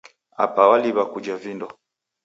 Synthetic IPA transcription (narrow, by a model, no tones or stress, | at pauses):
a̰pawaliβakud͡ʒavindɔ